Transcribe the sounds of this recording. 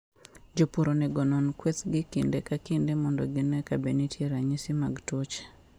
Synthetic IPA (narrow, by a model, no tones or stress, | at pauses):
d͡ʒopuɾonɛɡɔnɔnkwet̪ɡɪkɪndekakɪndemɔndɔɡɪnɛkabenitʰjeɾaɲisimaɡtot͡ʃe̥